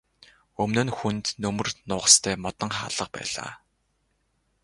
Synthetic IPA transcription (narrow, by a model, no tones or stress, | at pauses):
ɵmnoːnxunt̪nɵmɵ̆rnʊːʁə̆st̪ʰæːmɔt̪ɞ̆ŋχa̰ːɮə̆q̚pæ̰ːɮ̥a̰ː